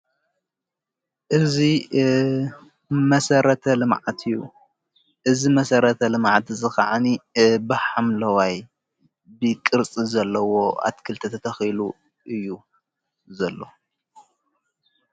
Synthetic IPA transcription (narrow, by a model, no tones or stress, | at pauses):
ʔɨzi | mɐsɐɾɐt̪ʰɐlɨmʕat̪ʰɨjːu | ʔɨzimɐsɐɾɐt̪ʰɐlɨmʕat̪ʰzɨxaʕanibɨħamlɐwaj | bɨkʼɨɾt͡sʼizɐlːɐwoʔa̰t̪kʰɨlt̪ʰɐt̪ʰɐt̪ʰɐxilu | ʔɨjːu | zɐlːo